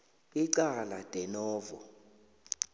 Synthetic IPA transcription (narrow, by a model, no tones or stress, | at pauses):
iǀalad̥ʼʱɛnɔːvɔ̰